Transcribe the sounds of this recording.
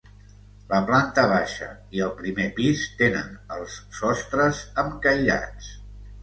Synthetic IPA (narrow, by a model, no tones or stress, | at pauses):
ləplant̪əβaʃə̰ | iəlˠpɾimepist̪enə̰nəlˠsːɔst̪ɾəzəmkəjʎa̰t͡s